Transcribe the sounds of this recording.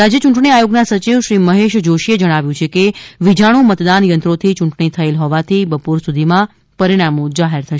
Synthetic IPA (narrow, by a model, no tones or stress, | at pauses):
ɾad͡ʒjət͡ʃuɳʈɳiajoɡnasət͡ʃiʋʃɾiməɦeʃd͡ʒoʃied͡ʒəɽ̃aʋjũt͡ʃʰekeʋid͡ʒʱaɽ̃ũmət̪d̪anjənt̪ɾot̪ʰit͡ʃũɳʈɳit̪ʰəelɦɔʋat̪ʰibəpoɾsud̪ʱimã | pəɾiɽamõd͡ʒaɦeɾt̪ʰəʃ